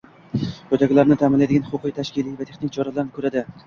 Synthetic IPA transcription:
qot̪aɡʲlaɾnɪt̪ʰamɪnlajd̪ɪɡʲanχʊqʰɨjt̪ʰaʃkʲɪlijvat̪ʰeχnɪŋt͡ʃʰɒɾalaɾnɪkʰɵɾad̪ɪ

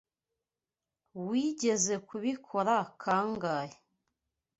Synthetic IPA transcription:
wiɟe̞ze̞kuβikʰoɾakʰaːŋɡaje

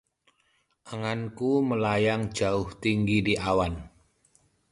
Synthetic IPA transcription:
ʔaŋankuməlajaŋd͡ʒaʊht̪iŋɡidiʔawan

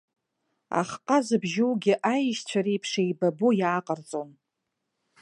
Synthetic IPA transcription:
a̰χqʼazɨbʒɪwɡʲɪʔajʃt͡ɕʷʰaɾejpʰʂejbabojaːqʼərt͡sʼon

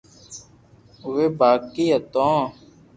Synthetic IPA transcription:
ʋeːbaːkːiːɦət̪õː

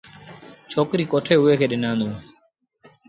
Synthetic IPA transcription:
t͡ʃʰoːkɾiːkoːʈʰeːɦʊeːkʰeːɗɪnãːnd̪õː

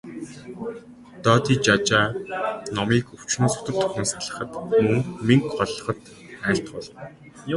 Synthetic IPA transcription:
t̪ɔːt̪iːt͡ɕat͡ɕaːnɔmiːkɵw̥t͡ɕnoːsʊ̥t̪ə̆ɮt̪ʰʊ̥xnoːsaɮə̆χə̆t̪muŋmiŋkχɔɮɞ̆χə̆t̪ | æːɬt̪ɢɔɮɞ̆n

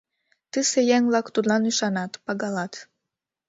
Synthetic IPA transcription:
t̪ɨsejæŋlɑkt̪ud̪lɑnyʃɑnɑt̪pɑɡɑlɑt̪

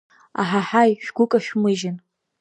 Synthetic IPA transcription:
a̰ħaħajʃᶣɡʷʊkʼaʃᶣmɨʒɪn

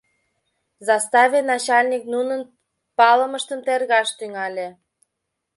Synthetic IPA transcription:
zɑst̪ɑvʲenɑt͡ɕɑlʲnʲiknunən | pɑləməʃt̪əmt̪erɣɑʃt̪yŋɑlʲe

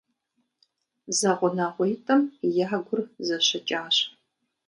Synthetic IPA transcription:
zaʁʷʊnaːʁʷɔjtʼɐmjaːɡʷʊrzɐɕɐt͡ʃʼaːɕ

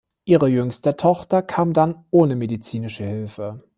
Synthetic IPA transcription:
ʔiːʁəjʏŋstɐtʰɔχtɐkʰaːmdanʔoːnəmedit͡siːnɪʃəhɪlfə

